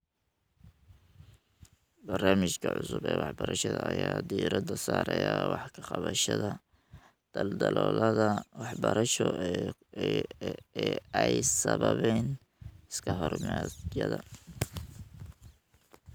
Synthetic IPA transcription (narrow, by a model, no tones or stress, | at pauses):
bɐrnaːmɪt͡ʃkʰɐʕʊsʊbɛːwɑħbɐɾɐʃɐðɐːjaːd̪iɾɐd̪ɐsaːɾɛjawɑħkʰɐ̥qɑβɐʃɐðɐ | d̪̥ɐld̪ɐlɔːlɐðɐwɑħbɐɾʔɐʃɔ | ɛjsɐβɐβɛn | ɪskʰɐɦɔrmɑjɐðɐ